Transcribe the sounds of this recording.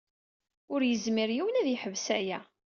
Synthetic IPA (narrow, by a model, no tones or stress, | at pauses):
ʊɾjəzmɪɾjiwənæðiħəvsæjæ